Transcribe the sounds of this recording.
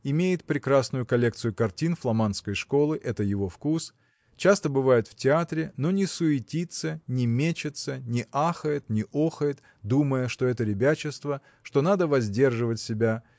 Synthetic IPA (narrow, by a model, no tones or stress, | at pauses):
ɪmʲejɪt̪̚pɾʲɪkɾasnʊjʊkɐlʲe̞k̚t̪sɨjʊkɐrtʲinflˠɐmanskəjʂko̞lˠɨʔɛt̪əjɪvo̞fkus | t͡ɕast̪əbɨvajɪt̪ftʲɪat̪ɾʲɪno̞nʲɪsʊɪtʲit̪sənʲɪmʲet͡ɕɪt̪sənʲɪʔaxəjɪt̪nʲɪʔoxəjɪt̪ | d̪uməjəʂt̪o̞ɛt̪əɾʲɪbʲæt͡ɕɪst̪və | ʂt̪o̞nad̪əvɐzʲdʲe̞rʐɨvətʲsʲɪbʲa